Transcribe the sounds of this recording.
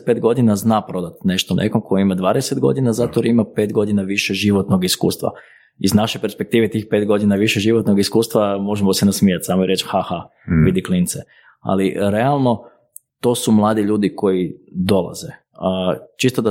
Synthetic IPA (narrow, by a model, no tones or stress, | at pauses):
t̪pe̞ːt̪ɡo̞d̪inaznaːpɾo̞d̪at̪ne̞ʃt̪onʔḛko̞mkʰojimad̪ʋaːd̪esed̪ɡo̞̰d̪inazat̪oɾimape̞ːt̪ɡo̞d̪inaʋiʃɛʒiʋo̞t̪no̞ɡiskṵːst̪ʋa̰ | iznaʃejpe̞ɾspe̞kt̪iːʋet̪iːxpe̞ːt̪ɡo̞d̪inaʋiʃeʒiʋot̪noɡiskuːst̪ʋamo̞ʒemosɛnasmiːjat̪saːmoiɾe̞t͡ʃxaha | ʋid̪iklint̪se | a̰liɾealˠno̞ | t̪o̞ːsumlˠaːd̪iʎuːd̪iko̞jid̪o̞lˠa̰ze | t͡ʃist̪od̪a